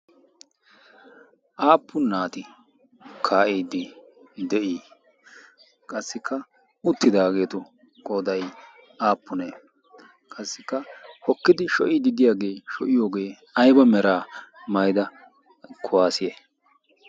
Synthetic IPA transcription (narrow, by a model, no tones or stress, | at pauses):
ʔaːpʰːʊnːaːt̪ɪ | kʰaːʔiːd̪ːɪ | d̪ɛʔiː | kʼɐsːɪkʰːɐ | ʊt̪ːɪd̪aːɡe̞ːt̪ʊ | kʼoːd̪ɐj | aːpːʊne | kʼɐsːɪkːɐhɔkːɪd̪ɪʃɔʔiːd̪ɪd̪ɪjaːɡe̞ːʃɔʔɪjo̞ːɡe̞ː | ɐjbɐmɛɾaːmɐjd̪ɐ | kʰʊwaːsɪjeː